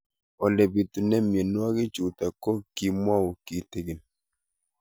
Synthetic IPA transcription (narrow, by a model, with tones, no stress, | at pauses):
ɔ˨lɛ˨bi˨tu˨nɛ˦mje˨nwa˦kɪ˦t͡ʃu˨ta˨kɔ˦ki˨m˦a˦u˨ki˨te˨ɡɪ˨n